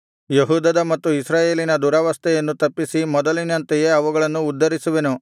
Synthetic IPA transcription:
jeɦuːd̪ɐd̪ɐmɐt̪ːuisɾaːje̞ːlinɐd̪uːɾɐʋɐst̪ʰɛjɐnːut̪ɐpːisimɔd̪ɐlinɐnt̪ɛje̞ɐʋuɡɐɭɐnːuːd̪ːɐɾisuʋenu

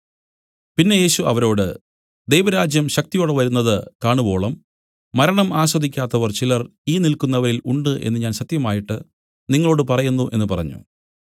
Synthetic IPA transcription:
pinːe̞je̞ːɕuɐʋɐɾo̞ːɽɨ | d̪ejʋɐɾaːd͡ʑjɐmɕɐk̚t̪ijoːɽeʋɐɾunːɐðɨkaːɳubo̞ːɭɐmː | ɐɾɐɳɐmaːɕwɐd̪ʱikʲːaːt̪ːɐʋɐrt͡ɕilɐriːnilkunːɐʋɐɾiluɳɖɨʔe̞̰nːɨɲaːnɕɐt̪jɐmaːjiʈːɨ | niŋːɐɭo̞ːɽɨpɐrɐjunːuʔe̞nːɨpɐrɐ̰ɲːṵ

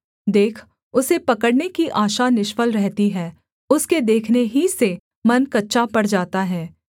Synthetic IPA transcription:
d̪eːkʰ | ʊsepɐkəɽnekiʔaːʃanɪʃfəlɾɛɦt̪iɦɛː | ʊsked̪eːkʰneɦise | mɐnkɐtːʃapɐɽd͡ʒaːt̪aɦɛː

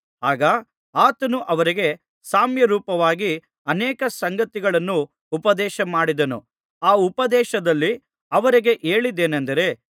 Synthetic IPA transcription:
aːɡɐ | aːt̪ɐnuʔɐʋɐɾiɡe̞ | saːmjɐɾuːpɐʋaːɡi | ɐnɛːkɐsɐŋɡɐt̪iɡɐɭɐnːuː | pɐd̪ɛːʃɐmaːɽid̪ɐnṵ | aːupɐd̪ɛːʃɐd̪ɐlːi | ɐʋɐɾiɡe̞ʔeːɭid̪eːnɐnd̪ɐɾe̞

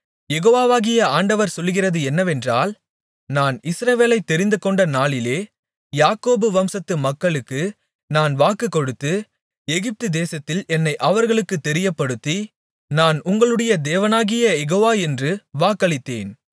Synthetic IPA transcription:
jɛɣoːʋaːʋaːɣɪjɐaːɳɖɐʋɐɾsɔlːɣɪrɐðɯɛnːɐʋɛndraːl | naːnɪsɾɐʋeːlɐɪt̪ːɛɾɪnd̪ɯkɔɳɖɐnaːɭɪleː | jaːkoːbɯʋɐmsɐt̪ːɯmɐkːɐɭɯkːɯ | naːnʋaːkːɯkːɔɽɯt̪ːɯ | ɛɣɪp̚t̪ɯd̪eːsɐt̪ːɪlɛnːɐɪʔɐʋɐɾɣɐɭɯkːɯt̪ːɛɾɪjɐpːɐɽɯt̪ːi | naːnʊŋɡɐɭɯɽɐjɐd̪eːʋɐnaːɣɪjɐjɛɣoːʋaːɛndrɯʋaːkːɐɭɪt̪ːḛːn

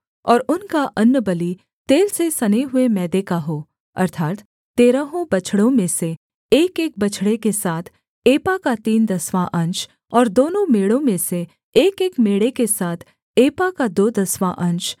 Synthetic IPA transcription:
ɔːɾʊnkaʔɐnːəbɐli | t̪eːlsesɐneɦʊemɛːd̪eːkaɦoː | ɐ̰ɾt̪ʰaːt̪ | t̪eːɾəɦõbɐt͡ʃʰɽõmẽse | eːkeːk̚bɐt͡ʃʰɽekesaːt̪ʰ | eːpakat̪iːnd̪ɐswãʔɐ̃nt͡ʃ | ɔːɾd̪oːnõmeːɽõmẽse | eːkeːkmeːɽekesaːt̪ʰ | eːpakad̪oːd̪ɐswaʔɐ̃nt͡ʃ

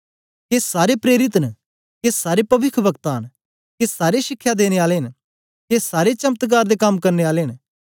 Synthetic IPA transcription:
keːsaːɾepɾeːɾɪt̪nə | kesaːɾepɐʋɪkʰʋəkt̪aːn | kesaːɾeʃɪkʰːjad̪eːñeaːleɦɪn | kesaːɾet͡ʃɐmt̪ɡ̬aːɾd̪ekɐmkɐɾneaːleɦɪn

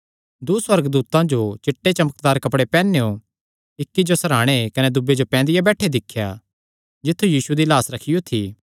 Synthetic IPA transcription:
d̪uswɐɾɡd̪uːt̪ãd͡ʒot͡ʃɪʈːet͡ʃɐmək̚d̪aːɾkɐpɽepɛːneo | ɪkːid͡ʒosɐɾaːɽ̃ekɐned̪ʊbːed͡ʒopɛ̃ːnd̪ɪjabɛːʈʰed̪ɪkʰːja̰ | d͡ʒɪt̪ʰːujiːsud̪ilaːsɾɐkʰɪjot̪ʰiː

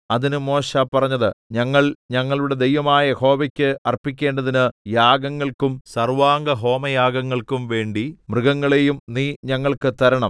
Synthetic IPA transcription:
ɐðinɨmo̞ːɕɐpːɐrɐɲːɐðɨɲɐŋːɐɭɲɐŋːɐɭuɽe̞d̪e̞jʋɐmaːjɐeho̞ːʋɐkʲːɨɐrpːik̬ʲːe̞ːɳɖɐðinɨjaːɡɐŋːɐɭkumsɐrʋaːŋɡɐɦo̞ːmɐjaːɡɐŋːɐɭkumʋe̞ːɳɖimrɨɡɐŋːɐɭejumniːɲɐŋːɐɭkɨt̪ɐɾɐɳɐm

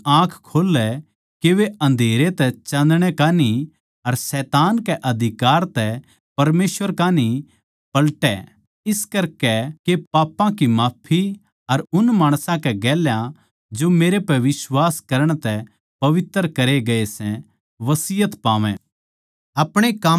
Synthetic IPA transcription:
ãːkʰkʰoːlɛ | keʋeɐ̃nd̪ʱeːɾet̪ɛt͡ʃɐ̃nd̪ɽ̃ɛkaːni | ɐɾsɛːt̪aːnkɛʔɐd̪ʱɪkaːɾt̪ɛ | pɐɾmeːsʋəɾkaːni | pɐlʈɛ | ɪskɐɾkɛkepaːpːãkimaːpʰi | ɐɾʊnmaːɽ̃sãkɛɡɛːljã | d͡ʒomeːɾepɛʋɪswaːskɐɾəɽ̃t̪ɛ | pɐʋɪt̪ːəɾkɐɾeɡɐesɛ̃ | ʋɐsɪːjət̪paːʋɛ̰̃ | ɐpɽ̃ekɐ

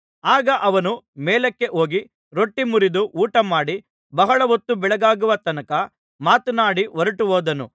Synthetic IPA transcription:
aːɡɐʔɐʋɐnumɛːlɐkːe̞ʔo̞ːɡi | ɾo̞ʈːimuɾid̪uʔuːʈɐmaːɽi | bɐɦɐɭɐʋot̪ːubɛɭɐɡaːɡuʋɐt̪ɐnɐkɐ | maːt̪unaːɽiʋɔɾɐʈuɦoːd̪ɐnṵ

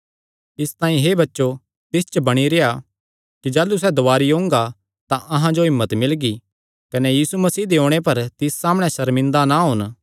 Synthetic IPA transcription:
ɪst̪ãːĩɦebɐtːʃo | t̪ɪst͡ʃəbɐɽ̃iɾeja | kid͡ʒaːlːusɛd̪oʋaːɾiõːŋɡa | t̪ãʔɐɦãd͡ʒoɦɪmːət̪mɪlɡi | kɐnɛjiːsumɐsiːd̪eõːɽ̃epɐɾt̪ɪsːaːmɽ̃ɛʃɐɾmɪ̃nd̪anaɦʊːn

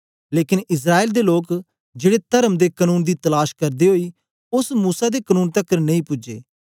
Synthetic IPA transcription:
leːkɪnɪs̬ɾaːeːld̪eloːk | d͡ʒeːɽet̪əɾəmd̪eːkənuːnd̪iːt̪ɐlaːʃkɐɾd̪eɦoːiː | ʊsmuːsad̪ekənuːnt̪əkːəɾnɐ̃ĩːpʊd͡ʒḛː

